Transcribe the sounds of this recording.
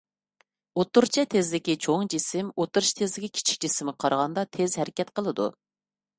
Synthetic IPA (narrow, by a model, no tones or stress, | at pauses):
ot̪uɾt͡ʃʰɛt̪ʰezlɪkʲit͡ʃʰoŋd͡ʒisɪmot̪uɾɨʃt̪ʰezlɪkʲikʲʰi̥t͡ʃʰi̥k̚ʲd͡ʒisɪmqʰɑɾʁɑnd̪ɑt̪ʰezɦɛɾɪkʲɛt̪qəlˠɨd̪ṵ